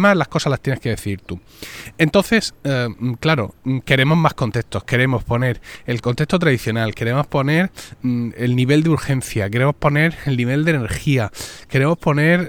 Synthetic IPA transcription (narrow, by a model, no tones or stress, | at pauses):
mazlasko̞salast̪jene̞skeðe̞θiðiɾt̪u | e̞nt̪o̞nθe̞sklaɾo̞̰ke̞ɾe̞mo̞zmasko̞nt̪e̞st̪o̞ske̞ɾe̞mo̞spo̞ne̞ɾe̞lko̞nt̪est̪ot̪ɾaðiθjo̞nalke̞ɾe̞mo̞spo̞ne̞ɾ | elniβe̞ld̪euɾxẽ̞nθjake̞ɾe̞mo̞spo̞ne̞ɾelniβ̞e̞ld̪ene̞ɾxiake̞ɾe̞mo̞spo̞ne̞ɾ